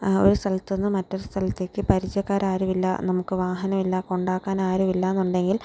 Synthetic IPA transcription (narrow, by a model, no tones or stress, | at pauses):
o̞̰ɾust̪ʰɐlɐt̪ːo̞nːɨmɐtːo̞ɾust̪ʰɐlɐt̪ːe̞ːkːɨpɐɾit͡ɕːɐkːaːɾaːɾuʋilːɐ̰nɐmukːɨʋaːɦɐnɐmilːɐko̞ɳɖaːkːaːnaːɾuʋilːɐenːuɳɖe̞ŋɡil